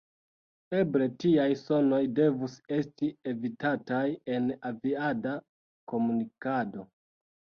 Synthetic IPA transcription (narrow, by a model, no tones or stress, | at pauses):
e̞bɾe̞tiajso̞no̞jde̞vuse̞stie̞vitataje̞naviada | ko̞munikado̞